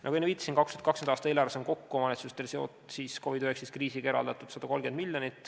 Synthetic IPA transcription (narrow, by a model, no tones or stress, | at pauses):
nʔɑ̰ɡuinviːt̪ɑsinkɑkst̪yet̪kɑkskenɑːst̪ɑeːlɑːɾvesenko̞kːumɑnetsust̪elseo̰t̪ˑsiːsko̞vid̪yheksiskriːsikeɾɑ̰ld̪̥ɑt̪ˑud̪sɑd̪̥ɑko̞lɡend̪milʲjonit̪ːˑ